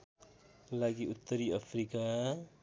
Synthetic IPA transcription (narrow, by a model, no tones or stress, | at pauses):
laɡiut̪ɾiafɾika